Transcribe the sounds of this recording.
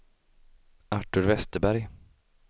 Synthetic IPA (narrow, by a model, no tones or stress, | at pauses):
aʈɵɾvɛst̪əbæɾj